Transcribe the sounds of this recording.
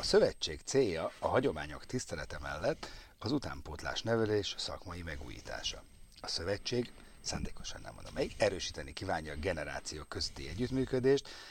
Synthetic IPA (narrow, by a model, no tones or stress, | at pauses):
ɒsø̞vɛt͡ʃːeːkt̪seːjːɒɒɦɒɟo̞maːɲo̞kt̪ist̪ɛlɛt̪ɛmɛlːɛt̪ː | ɒzut̪a̰ːmpoːt̪la̰ːʃnɛvɛleːʃsɒ̰kmɒjimɛɡṵːjḭːt̪ʰa̰ːʃɒ̰ | ɒsø̞vɛt͡ʃːeːɡ | saːnd̪eːko̞̥ʃɒ̰nːɛ̰mvo̰nɒmɛiɡɛɾøːʃi̥ːt̪ɛnikiːvaːɲːɒɡɛnɛɾa̰ːt̪sijoːkø̞zøt̪ːḭɛɟːyt̪myːkød̪eːʃt̪